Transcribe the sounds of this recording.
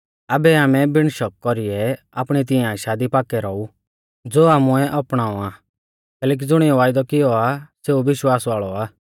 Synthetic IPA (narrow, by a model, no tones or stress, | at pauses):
aːbɛaːmɛbɪɽ̃ʃɔkkːɔɾɪɛ | aːpɽ̃it̪̬ɪjãʃaːd̪ipaːkɛɾɔu | d͡zoːaːmuɛʔɐpɽ̃aːɔ̃aː | kɛːlɛːk̬id͡zʊɽ̃ɪjɔʋaːɪd̪ɔkɪjɔaseːuʋɪʃwaːsʋaːɭɔaː